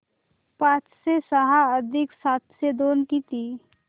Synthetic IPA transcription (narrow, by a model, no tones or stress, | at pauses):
pãːt͡ʃsesəɦaəd̪ʱɪksaːt̪ʰsed̪oːnkit̪iː